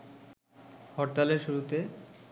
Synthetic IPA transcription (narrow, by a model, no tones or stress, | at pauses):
hɔɾt̪aleɾʃuɾut̪e